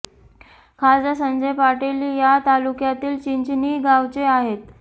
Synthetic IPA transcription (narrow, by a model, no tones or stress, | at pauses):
kʰad͡zasənd͡ʑəjpaʈeliːjat̪alukjat̪iːlt͡ɕiɲt͡ɕniːɡawt͡seaɦet̪